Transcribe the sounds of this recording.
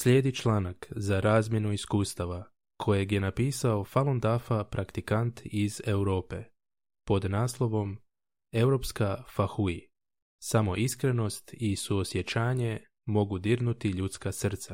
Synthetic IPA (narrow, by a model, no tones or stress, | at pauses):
sʎʲe̞ːd̪it͡ʃlˠaːnakzaɾaːzmjenuiskuːst̪aʋa | kʰo̞jeɡje̞napiːsao̞falˠond̪afapɾakt̪ikant̪ize̞wɾo̞ːpe̞ | po̞d̪naːslˠo̞ʋo̞m | e̞wɾo̞ːpskafaxui | samo̞ʔiskɾe̞no̞st̪isuosje̞t͡ɕaːɲe̞ | mo̞ɡud̪iɾnut̪iʎuːt̪skasr̩t̪sa